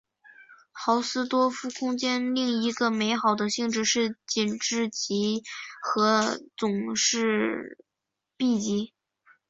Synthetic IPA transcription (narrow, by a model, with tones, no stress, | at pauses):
xɑ˧˥ʊsɹ̩˥t̪wɔ˥fu˥˩kʰʊ˥ŋt͡ɕjɛ˥nli˥˩ŋi˧˥ɡə˧me˧˥ɪxɑ˨˩ʊd̪ə˦ɕi˥˧ŋʈ͡ʂɻ̩˥˧ʂɻ̩˥˩t͡ɕi˨˩nʈ͡ʂɻ̩˥˩t͡ɕi˧˥xɤ˧˥t͡sʊ˨˩ŋʂɻ̩˥˧ | pi˥˩t͡ɕi˧˥